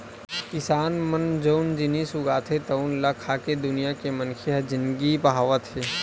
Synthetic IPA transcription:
kɪsaːnmənd͡ʒoːnd͡ʒɪnisʊɡaːt̪ʰet̪ɐʊnlakʰaːked̪ʊnijakemənkʰeɦɛd͡ʒɪnɡipəɦaːʋət̪ɦeː

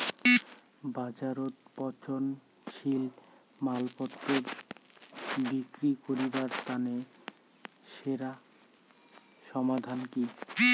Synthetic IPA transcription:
bad͡ʑaɾot̪pɔt͡ɕʰon | ʃil | malpɔt̪ːɾoɾ | bikɾikoɾibaɾst̪ane | ʃeɾa | ʃɔmad̪ʱanki

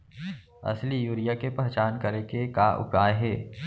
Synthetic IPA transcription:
ɐ̰slijuːɾijakepɛɦt͡ʃaːnkɐɾekekaʔʊ̰kaːeɦɛː

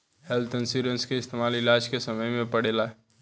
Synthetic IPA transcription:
hɛlt̪ənsiɾənskeɪst̪eːmaːlɪlaːd͡ʒkesɐməjmẽpɐɽeːlaɦɛ

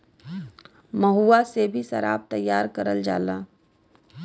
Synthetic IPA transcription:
məɦuːasebʱiʃɐ̰ɾa̰ːb̚t̪ɐjːaːɾkəɾəld͡ʒa̰ːlaː

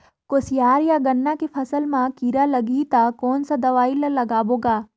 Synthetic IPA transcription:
koːsjaːɾjaɡɐnːakepʰɐsəlmãkiːɾalɐɡit̪akoːnsad̪ɐʋaːɪlɐlɐɡaːboːɡaː

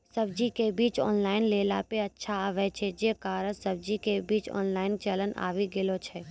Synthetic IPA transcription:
sɐb̚d͡ʒikebiːt͡ʃɔ̰ːnlaːɪnleːla̰peɐtːʃʰaʋɛt͡ʃʰed͡ʒiekaːɾəsɐb̚d͡ʒikebiːt͡ʃɔ̰ːnlaːɪnt͡ʃələnʔa̰ːʋiɡɪlot͡ʃʰɛ

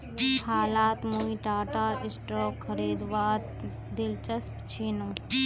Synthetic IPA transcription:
haːlaːt̪muiʈaːʈaːɾɪsʈɾoːkxʰəɾiːd̪ʋaːd̪ | d̪ɪlt͡ʃəspt͡ʃʰiːnuː

